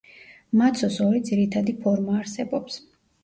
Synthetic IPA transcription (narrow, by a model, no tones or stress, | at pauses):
mat̪sʰɔsɔɾid̪ziɾit̪ʰad̪ipʰɔɾmaːɾsɛbɔps